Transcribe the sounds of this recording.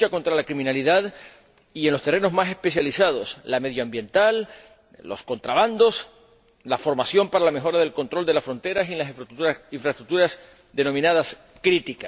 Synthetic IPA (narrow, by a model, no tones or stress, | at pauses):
ako̞nt̪ɾalakɾimĩnaliðað | ie̞nlo̞st̪e̞re̞no̞zmase̞spesjalisað̞o̞slame̞ð̞joambjẽ̞nt̪alː | o̞̰sko̞nt̪ɾaβand̪o̞s | lafo̞ɾmasjo̞mpaɾalame̞xo̞ɾaðe̞lko̞nt̪ɾo̞ld̪elasfɾo̞nt̪e̞ɾasinlasiɱfɾast̪ɾuk̚t̪uɾas | ðe̞no̞mĩnað̞as | kɾit̪ika